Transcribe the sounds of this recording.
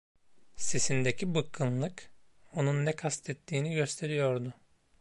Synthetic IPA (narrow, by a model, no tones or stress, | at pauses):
se̞sind̪ecʰibɯkʰːɯnlˠɯk | o̞nunːɛkʰast̪ʰɛt̪ʰːiːniɟø̞st̪ʰe̞ɾijo̞ɾd̪ʊ